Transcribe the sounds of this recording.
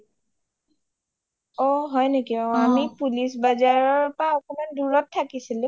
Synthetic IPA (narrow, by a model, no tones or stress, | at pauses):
ɔɦɔjnekiɔamipulisbazaɹɔɹpaɔkɔmanduɹɔtʰːakisilũ